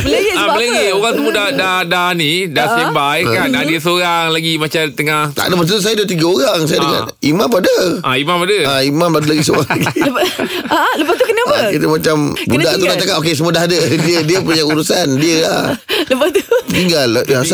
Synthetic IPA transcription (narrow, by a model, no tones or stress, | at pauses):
bəlaləɡioɣaŋsəmuodadadanidasəbajkanadiəsoɾaŋlaɡimat͡ʃat̪əŋaht̪a̰ʔdəmast̪̬uus̬ajadut̪iɡəoɾaŋsajadəɡa̰nimãmpadəʔaimapadəaimãmladəlaɡisoɾaŋk | ləpat̪ukənabəkit̪əmat͡ʃambudaʔt̪ulat̪akat̪okesəmuədaɦdədiədiəpuɲauɾusandiəlahləpat̪ut̪iŋɡaldasa